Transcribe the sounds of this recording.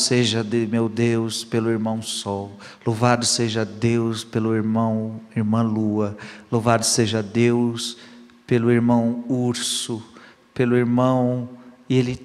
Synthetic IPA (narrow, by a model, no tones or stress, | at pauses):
seʒɐd̪ɪmewd̪ewspelʊiɾmɐ̃w̃sɔw | lovad̪ʊseʒɐd̪ewspelʊiɾmɐ̃w̃iɾmɐ̃luɐlovad̪ʊseʒɐd̪ews | pelʊiɾmɐ̃w̃uɾsʊ | pelʊiɾmɐ̃w̃ielɪ